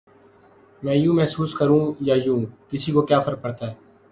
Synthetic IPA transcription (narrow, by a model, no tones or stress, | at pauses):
mɛ̃ːjũːmɛɦsuːskəɾũːjaːjũːkɪsiːkoːkjaːpʰəɾk̚pəɽt̪aːɦɛː